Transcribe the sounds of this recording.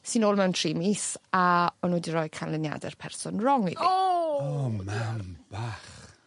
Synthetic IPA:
sɨnoːlˠmɛwntʰriːmisaɔnwɛdirɔjkʰanlɪnja̰dɛ̰rpʰɛrsɔnrɔŋwḭ | mamb̥aːχ

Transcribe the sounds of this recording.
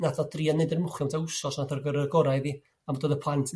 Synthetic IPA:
natʰɔdriːanedɪrmʊχjɔmtʰaʊsɔsnatʰərɡəɾəɡɔɾajðiː | amodoːðəpʰˠantʰ

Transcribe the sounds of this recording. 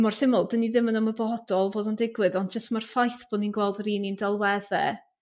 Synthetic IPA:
mɔrθɪmʊlˠdəniðɪmənɔməbɔhɔdɔlˠvoːdɔndɪɡwɨðɔndd͡ʒəstmarfajθb̥oːdninɡwɛlˠdriːnindalˠwɛðɛ̰

